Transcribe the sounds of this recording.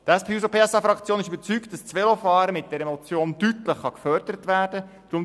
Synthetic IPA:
tæspʰeːus̬opʰeːɛsɑfɾɑkt͡sjoːnɪʃybəɾt͡sykt̚d̥ɑst͡sʋelofɑːɾəmɪt̚d̥ɛɾɛmot͡sjoːndytləχχɑkfœɾd̥əɾətʋæːɾd̥ə | d̥ɾʊm

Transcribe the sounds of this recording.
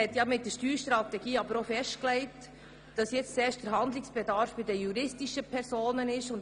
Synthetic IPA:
ɛt̪jɑmɪt̚d̥əɾʃtyːɾʃtɾɑt̪ɛɡ̥iːɑbəɾofɛʃtklɛɪt | d̥ɑsjɛt͡st͡sɛːʃd̥əɾɦɑndlɪksb̥ɛdɑɾfb̥ɪdəjuɾɪstiʃəpʰɛɾsoːnənɪʃʊn

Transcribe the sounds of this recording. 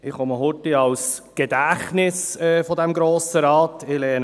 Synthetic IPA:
ɪχɔməɦʊtiɑws | ɡ̥ɛdæχnɪsɛfɔdɛmɡɾoːsəɾɑːt̪ɪlɛːən

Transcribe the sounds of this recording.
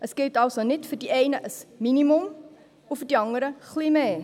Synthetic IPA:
ʔəsɡ̥ɪltɑlˠsonɪtfərdiʔɛjnəʔəsminimɔm | ufərdiɑndəɾəχlimeː

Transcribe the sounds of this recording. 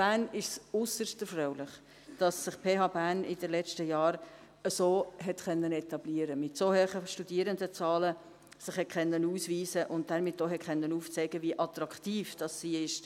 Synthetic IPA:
b̥æːnɪʃsʊsəstəɾfɾɔʊlɪχ | d̥ɑsːɪχpʰeːɦɑːbænʔɪ̰dəlɛt͡ʃtəjɑːɾ | əsoːɦɛtχœnːənɛtɑb̥liːəɾəmɪtsohɛχəʃtud̥iːəɾəndət͡sɑːlə | sɪχhɛtχɛnːənuːsviːsəʔʊnt̚dɛɾmɪtːoɦɛtχɛnːənuːft͡sɛɡəviʔɑt̪ɾɑktiːfd̥ɑsːiːɪʃ

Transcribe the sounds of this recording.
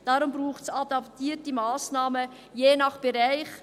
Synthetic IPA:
d̥ɑːɾʊmbɾuːχtsɑdɑptiːətimɑːsnɑːmə | jeːnɑχb̥ɛɾaɪχ

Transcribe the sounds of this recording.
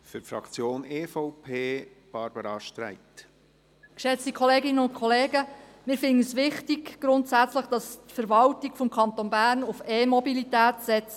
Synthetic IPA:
fʏtfɾɑ̰kt͡sjoːneːfɔʊpʰeː | b̥ɑɾbəɾɑʃtɾæ̰ɪt̪ | kʃɛt͡stikʰɔleːɡɪnːəʊnkʰoleːɡəmɪːɾfɪnəsʋɪχtiɡɡ̥ɾʊntsæt͡sləχd̥ɑstfəɾʋɑltiɡ̥fɔmkʰɑnt̪onbæːrnʊfeːmɔbilitæːtsɛt͡s

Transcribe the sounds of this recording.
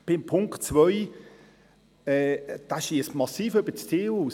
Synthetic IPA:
b̥ɪmpʰʊŋktt͡svœj | ɛːd̪̥aʃiəsmɑsiːføb̥ət͡stʰiːuːs

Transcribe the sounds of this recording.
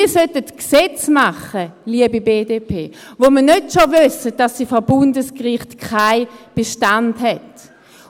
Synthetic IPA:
ɐsœtətksɛt͡smaχəliəbibeːdeːpʰeːvoməɐnøtʃovʏsət̚d̥ɑsːifɔbʊndəskʁɪχtkʰaɪb̥eʃtandhɛt

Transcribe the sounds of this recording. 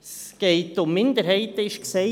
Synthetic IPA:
sɡ̥ɛɪtʊmːɪnd̪əɾɦɛɪtəɪʃksɛ

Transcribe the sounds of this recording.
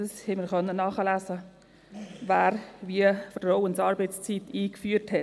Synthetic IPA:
əshɛməɾχœnːənːɑːχəlæːsə | vaːɾviəfɾowənsɑːɾbəɪt͡st͡sit̪iːkfyːthɛ

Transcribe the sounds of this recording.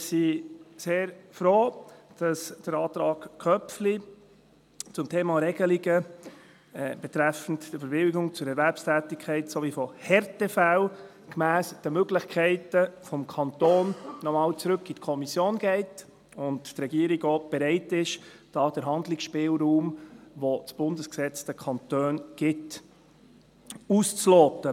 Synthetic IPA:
ɪsiseːɾfɾoːd̥ɑsd̥əɾɑːt̪ɾɑːɡ̥kʰœpfli | t͡sʊmtʰeːmɑɾɛɡ̥əliɡə | b̥ɛt̪ɾæfən̩td̥əfəɾbɪwɪɡʊŋt͡sʊɾɛɾvæɾpstʰæːtɪkʰːɛɪtsovifɔhɛɾtɛfæw | kmæːsd̥əmøɡlɪçkʰɛɪtəfɔmkʰɑntoːnːɔmɑːlt͡sɾɵkːitkʰɔmisjoːnɡ̥ɛɪt | ʊnttɾɛɡiəɾiɡoːb̥ɛɾɛɪtɪʃ | d̥ɑːd̥əɾɦɑndlɪksʃpɪːlɾuːmʋot͡sb̥ʊndəsksɛt͡sd̥əkʰɑntøːnɡ̥ɪt | uːst͡slɔːtə

